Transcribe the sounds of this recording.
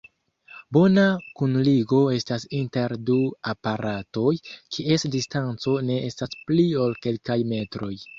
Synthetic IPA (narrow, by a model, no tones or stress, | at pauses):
bo̞nakunliɡo̞e̞stasinte̞ɾduapaɾʔato̞jkʰie̞sdistant͡so̞ne̞ʔestasplio̞lke̞lkajme̞tɾo̞j